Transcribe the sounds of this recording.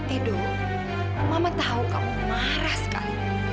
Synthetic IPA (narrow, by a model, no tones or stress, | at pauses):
t̪idʊ | mamat̪aɦukamuma | ɾahsə̥ka̰li